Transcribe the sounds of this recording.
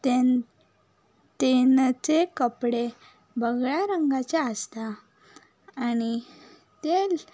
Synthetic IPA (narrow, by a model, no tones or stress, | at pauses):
t̪e | t̪ent͡sekəpɽe | bəɡɭjaɾəŋɡat͡ɕaəst̪aː | ni | t̪el